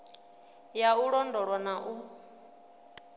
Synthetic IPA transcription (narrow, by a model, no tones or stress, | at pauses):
jauɺɔndɔɺwanaʔu